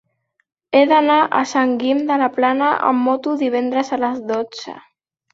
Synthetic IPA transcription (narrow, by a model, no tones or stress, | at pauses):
eðanaʔəsaŋɡimd̪əlaplanəʔə̰mːɔt̪uðiβ̞ɛnd̪ɾəzaləzðod͡zə̰